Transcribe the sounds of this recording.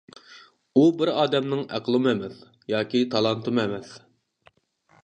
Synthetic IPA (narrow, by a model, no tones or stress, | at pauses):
ubɪɾɑːd̪ɛmnɨŋæ̰qʰəlˠɨmɛmɛθ | jɑːkʲit̪ʰɑlˠɑnt̪ɨmɛmɛθ